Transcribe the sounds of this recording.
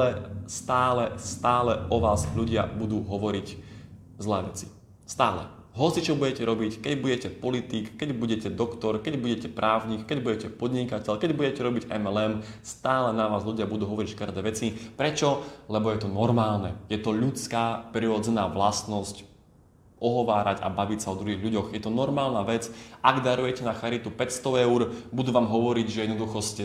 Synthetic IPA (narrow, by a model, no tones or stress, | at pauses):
ɛst̪aːlɛst̪aːlɛʔɔʋaːzʎuɟɪa̰bud̪uːɦɔʋɔɾic | zlɛːʋɛt͡si̥ | st̪aːlɛ̰ | ɦɔt͡sit͡ʃɔbuɟɛcɛɾɔbickɛɟbuɟɛcɛpɔlit̪iːkːɛɟbuɟɛcɛd̪ɔkt̪ɔɾkɛɟbuɟɛcɛpɾʔaːʊɲikkɛɟbuɟɛcɛpɔd̪ɲikacɛʎkɛɟbuɟɛcɛɾɔbiɟʔɛ̰mɛlɛmst̪aːlɛnaʋaːzʎuɟɪabud̪uːɦɔʋɔɾicʃkərd̪ɛːʋɛt͡sipɾɛt͡ʃɔlɛbɔjɛt̪ɔnɔɾmaːlnɛjɛt̪ɔʎut͡skaːpɾiɾɔd͡zɛnaːʋlast̪nɔsc | ʔɔɦɔʋaːɾaɟa̰baʋicsaɔd̪ɾuɦiːɣʎuɟɔɣjɛt̪ɔnɔɾmaːlnaʋɛt͡sʔaɡd̪aɾujɛcɛnaxaɾit̪upɛcst̪ɔɛʊɾbud̪uːʋaːmɦɔʋɔɾiɟʒɛjɛd̪nɔd̪uxɔscɛ